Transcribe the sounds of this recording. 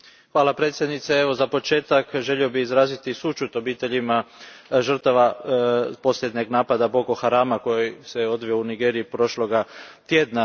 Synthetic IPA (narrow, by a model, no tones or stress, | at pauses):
xʋaːlˠapɾe̞t̪sjed̪nit̪seeʋo̞zapo̞t͡ʃe̞ːt̪akʒe̞ʎiobiizɾaːzit̪isut͡ʃut̪o̞biːt̪e̞ʎimaʒər̩t̪aʋa | po̞sʎjed̪ɲe̞ɡnaːpad̪aboko̞xaɾaːmako̞jiseo̞d̪ʋio̞uniɡe̞ːɾiipɾo̞ʃlo̞ɡat̪je̞ːd̪na